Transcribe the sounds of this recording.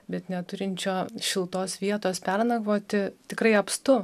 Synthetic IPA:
bʲɛt̪nʲɛt̪ʊɾʲɪnʲt͡ʃʲoːʃʲɪlˠt̪oːsʋʲiɛt̪oːspʲærnɐɡʋoːt̪ʲɪt̪ʲɪkɾɐɪɐpst̪ʊ

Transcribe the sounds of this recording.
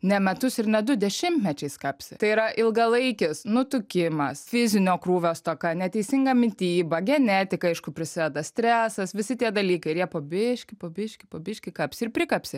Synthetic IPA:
nʲɛmʲɛt̪ʊsɪɾnʲɛd̪ʊd̪ʲɛʃʲɪmʲt̪ʲmʲɛt͡ʃʲɛɪskɑːpʲsʲɪ̰t̪ɐɪiːɾɐʔɪlˠɡɐlˠɐɪkʲɪsnʊt̪ʊkʲɪmɐsfʲɪzʲɪnʲoːkɾuːʋʲoːst̪oːkɐnʲɛt̪ʲɛɪsʲɪŋɡɐmʲɪt̪ʲiːbɐɡʲɛnʲæːt̪ʲɪkɐɐɪʃkʊpʲɾʲɪsʲɪd̪ʲɛd̪ɐsʲt̪ʲɾʲæːsɐsʋʲɪsʲɪt̪ʲiɛd̪ɐlʲiːkɐɪɪɾjiɛpoːbʲɪʃʲkʲɪpoːbʲɪʃʲkʲɪpoːbʲɪʃʲkʲɪkɐːpʲsʲɪɪɾpʲɾʲɪkɐpʲsʲɪ

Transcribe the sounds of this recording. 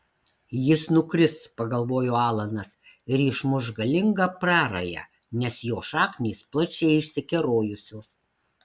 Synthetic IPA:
jɪsnʊkɾʲɪst̪pɐɡɐlˠʋoːjoːɑːlˠɐnɐs | ɪɾɪʃmʊʒɡɐlʲɪŋɡɑpɾɑːɾɐjɛ̰ | nʲɛsjoːʃɑːknʲiːsplˠɐt͡ʃʲɛɪɪʃʲsʲɪkʲɛɾoːjʊsʲoːs

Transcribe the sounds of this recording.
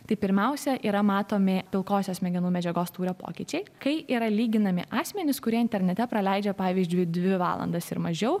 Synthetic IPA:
t̪ɐɪpʲɪɾʲmʲɛʊsʲɛʔiːɾɐmɑːt̪oːmʲɪpʲɪlˠkoːsʲoːsʲmʲɛɡʲɪnuːmʲɛd͡ʒʲɛɡoːst̪uːɾʲoːpo̰ːkʲɪt͡ʃʲɛɪkɐɪʔiːɾɐlʲiːɡʲɪnɐmʲɪ̰ʔɑːsʲmʲɛnʲɪskʊɾʲiɛɪnt̪ʲɛɾʲnʲɛt̪ʲɛpɾɐlʲɛɪd͡ʒʲɛpɑːʋʲiːzʲd͡ʒʲʊɪd̪ʲʋʲɪʋɑ̰ːlˠɐ̰nd̪ɐsɪ̰ɾmɐʒʲɛʊ

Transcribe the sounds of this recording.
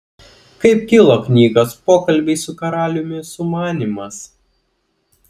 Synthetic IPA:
kɐɪpkʲɪlˠoknʲiːɡospoːkɐlʲˑbʲɛɪsʊkɐɾɑːlʲʊmʲɪsʊmɑːnʲimɐs

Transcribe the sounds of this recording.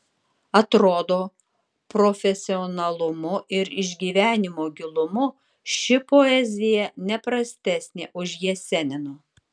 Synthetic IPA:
ɐt̪ɾoːd̪oː | pɾofʲɛsʲɪɔnɐlˠʊmʊʔɪɾɪʒʲɡʲiːʋʲæːnʲɪmoːɡʲɪlˠʊmʊ | ʃʲɪpoɛzʲɪjɛnʲɛpɾɐsʲt̪ʲæːsʲnʲḛːʔʊʃjiɛsʲɛnʲɪnʊ

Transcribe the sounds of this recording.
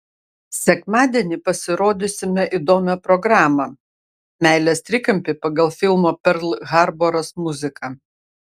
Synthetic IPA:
sʲɛkmɑːd̪ʲɛnʲɪpɐsʲɪɾoːd̪ʲɪsʲɪmʲɛʔid̪oːmʲɛpɾɔɡɾɑːmɐ | mʲæˑɪlʲɛst̪ʲɾʲɪkɐmʲpʲɪpɐɡɐlˠfʲɪlˠmoːpʲɛɾlˠɣɑɾboɾɐsmʊzʲɪkɐ

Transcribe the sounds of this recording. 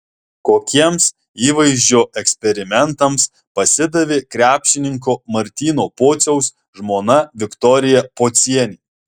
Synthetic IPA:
koːkʲiɛms | iːʋɐɪʒʲd͡ʒʲoːʔɛksʲpʲɛɾʲɪmʲɛnt̪ɐms | pɐsʲɪd̪ɐʋʲekɾʲæːpʲʃʲɪnʲɪŋkoːmɐɾʲt̪ʲiːnoːpoːt̪sʲɛʊs | ʒmoːnɐʋʲɪkt̪ɔɾʲɪjɛpoːt̪sʲiɛnʲiː

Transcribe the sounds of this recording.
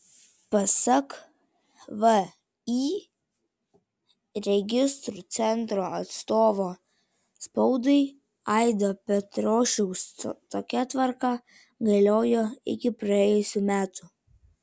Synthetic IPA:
pɐsɐk | ʋə | i | ɾʲɛɡʲɪst̪ɾut̪sʲɛnˑt̪ɾoːɐt̪st̪oːʋoː | spɔʊd̪ɐɪ | ɑˑɪd̪opʲɛt̪ɾoːʃʲɛʊst̪oːkʲɛt̪ʋɐɾkɑ | ɡɐlʲoːjoːɪ̰kʲɪpɾɐɛjʊsʲumʲæːt̪ʊ

